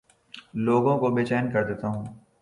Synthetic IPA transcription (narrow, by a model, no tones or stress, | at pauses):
loːɡõkobeːt͡ʃɛːnkɐɾd̪eːt̪aɦũː